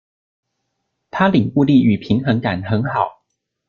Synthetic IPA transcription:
t̪ʰa˥li˨˩ŋu˥˧li˥˩y˨˩pʰi˧˥˦ŋxɤ˧˥ŋka˨˩nxə˨˧˥nxɑ˨˩˦ʊ

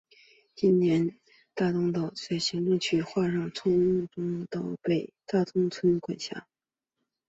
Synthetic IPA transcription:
t͡ɕi˥nnjɛ˧˥n | t̪a˥˩t̪ʊ˥ŋt̪ɑ˥˩ʊt͡sa˥˩ɪɕi˧˥ŋʈ͡ʂʊ˥˧ŋt͡ɕʰy˥xwa˥˧ɻɑ˥˩ŋt͡sʰʊ˥ŋ˥t̪ʊ˥ŋt̪ɑ˥˩ʊpe˥˩ɪt̪a˥˩t̪ʰʊ˥ŋt͡sʰwə˥nkwa˨˩nɕja̰˥˩˦

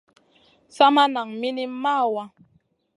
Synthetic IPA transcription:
sa˦ma˦na˨ŋmi˦ni˦m˦mːa˦˨wa˦

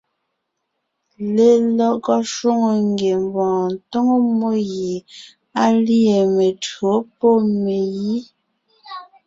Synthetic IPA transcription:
le˦lɔ˦kɔ˦ʃwo˦ŋo˨ŋɡe˨m˨bɔ̃ː˨n˨to˦ŋo˦mo˦je˨ | a˦li˦e˨me˨two˨˦po˦˨me˨ji˦

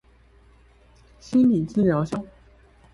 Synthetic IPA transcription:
ɕi˥nli˨˩t͡sɹ̩˥ljɑ˧˥ʊɕjɑ˥˩ŋ

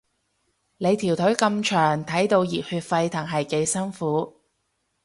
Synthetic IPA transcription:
ne˨˧jt̪ʰiː˨˩wt̪ʰɵ˨˥ɥkɐ˧mt͡ʃʰœː˨˩ŋt̪ʰɐ˨˥jt̪o˧wjiː˨˩t̚hyː˧t̚fɐ˧jt̪ʰɐ˨˩ŋɦɐ˨jke˧jsɐ˥ŋfuː˨˥

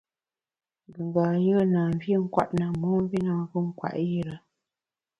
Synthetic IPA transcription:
ŋ˨ɡə˨ŋɡa˨jə˦na˨m˦vi˦ŋ̩˦kwa̰˦˨ʔna˨mɔ˨˦m˦vi˦na˨˦və˦ŋ̩˦kwa̰˨ʔji˦ɾə˨

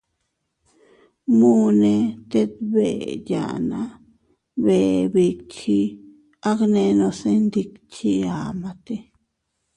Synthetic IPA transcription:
mũ˦nẽ˧t̪e˦t̪βe˨ja̰˨nã̰˧˦ | βe˨βi˧kʰi˦ | a˦knẽ˧nõ˧se˦˧nd̪i˧kt͡ʃi˧a˨mã˧t̪e˧

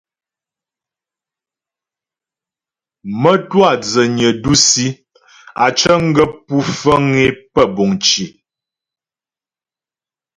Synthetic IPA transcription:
mə˦twa˦˨d͡zə˨ɲə˨du˦si˦ | a˨t͡ʃə˦ŋ̩˦ɡə˦pu˦fə˦ŋe˦pə˦˨bɔ˨ŋt͡ʃi˨

